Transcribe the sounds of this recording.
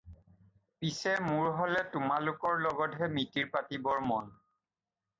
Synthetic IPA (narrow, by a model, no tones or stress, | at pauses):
pisɛmʊɹɦɔlɛtʊmalʊkɔɹlɔɡɔtɦɛmitiɹpatibɔɹmɔn